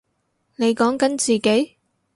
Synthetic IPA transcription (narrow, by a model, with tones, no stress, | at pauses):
ne˨˧jkɔː˨˥ŋkɐ˨˥nt͡siː˨ke˨˥j